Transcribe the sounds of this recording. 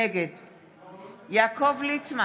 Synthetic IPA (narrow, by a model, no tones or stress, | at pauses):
eɡed̪ | jakʰovlit͡sma